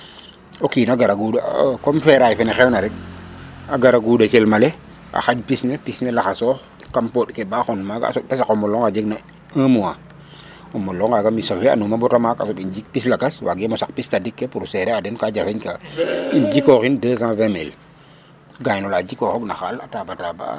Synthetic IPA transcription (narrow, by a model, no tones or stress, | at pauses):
okiːnaɡaɾaɡudakomfeɾajfenexewnaɾɛk̚ | aɡaɾaɡuːdakelmale | a̰xaɟpisnepisnelaxaso | kampotkebaxonmaɡa̰sɔtasakomoloŋad͡ʒeɡna | aːmuwaː | omolːɔŋkaɡamisofia̰numabɔtamaka̰sobind͡ʒik̚pislaɡaswa̰ɡemosak̚pistadikːepuɾseɾeadenkaɟafeɲkaind͡ʒikoxindəːs̬ãːvemel | ɡajnɔlad͡ʒikoxɔɡnaxalatabataba̰ː